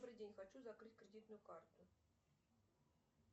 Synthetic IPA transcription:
bɾɨdʲenʲxat͡ɕuzakɾɨtʲkɾʲɪdʲit̪nʊjʊkart̪ʊ

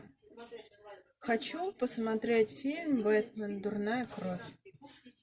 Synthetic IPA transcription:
xɐt͡ɕupəsmɐt̪ɾʲetʲfʲilʲmbɛt̪mənd̪ʊrnajəkɾofʲ

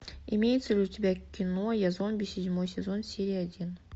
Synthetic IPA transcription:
imʲejt̪səʐut̪ʲibʲækʲːinojazonbʲesʲedʲmojsʲezonsʲeɾʲijad̪ʲin

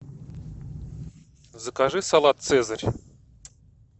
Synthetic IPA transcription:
zəkaʐɨsalˠat̪̚sɛzəɾʲ

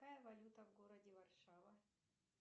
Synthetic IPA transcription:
ajɐvɐlʲut̪ɐvɡoɾɐdʲɪvɐrʂavɐ

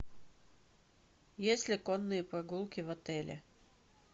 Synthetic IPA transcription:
jesʲlʲɪkonːɨjəpɾɐɡulˠkʲɪvɐt̪ɛlʲɪ̰

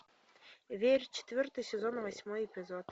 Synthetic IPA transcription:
vʲerʲt͡ɕɪ̥t̪ʲvʲɵrt̪ɨjsʲezonvasʲmojepʲizot̪

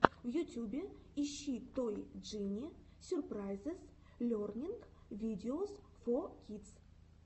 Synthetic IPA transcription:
vjut̪ʲjubʲɪiʃːit̪ojdʐɨnʲisʲʊrprajzɨs | lʲornʲiŋkvʲid̪ʲeosfokʲit̪s

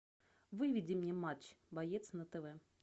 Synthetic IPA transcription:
vɨvʲɪdʲɪmnʲemat͡ɕbɐjet̪snət̪ɛvɛ

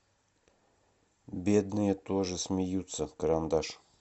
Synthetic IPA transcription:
bʲed̪nɨjət̪oʐɨsʲmʲɪjut̪səkəɾand̪aʂ

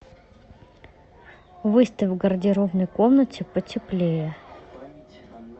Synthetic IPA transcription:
vɨst̪əvɡərdʲɪɾovnəjkomnətʲɪpətʲɪplʲejə

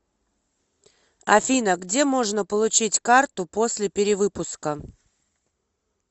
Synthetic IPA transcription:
ɐ̰fʲinəɡdʲe̞mo̞ʐnəpəlˠʊt͡ɕitʲkart̪ʊpo̞sʲlʲɪpʲɪɾʲɪvɨpʊskə

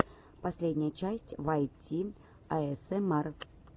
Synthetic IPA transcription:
pasʲlʲed̪ʲnʲɐjɐt͡ʃasʲt͡sʲvajt͡sʲi | ɐɛsɛmɛr

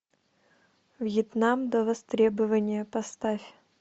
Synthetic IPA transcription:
vjɪt̪namd̪əvɐst̪ɾʲebɨvənʲɪjəpɐst̪afʲ

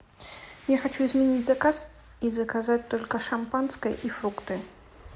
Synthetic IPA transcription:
jaxɐt͡ɕuɪzmʲɪnʲitʲzɐkas | izəkɐzat̚ʲt̪olʲkəʂɐmpanskəjʔifɾukt̪ɨ

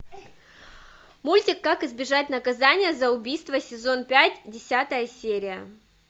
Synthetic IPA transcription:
mulʲtʲɪkːakɨzbʲɪʐat̚ʲnəkɐzanʲɪjəzəʊbʲijst̪vəsʲɪzo̞npʲætʲdʲɪsʲat̪əjəsʲeɾʲɪjə

